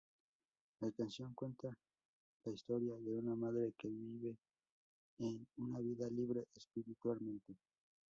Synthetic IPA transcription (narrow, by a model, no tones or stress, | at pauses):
lakansjo̞ŋkwe̞nt̪a | laist̪o̞ɾjaðe̞unamaðɾe̞keβiβe̞ː | nunaβiðaliβɾe̞ʔespiɾit̪walmẽ̞nt̪e̞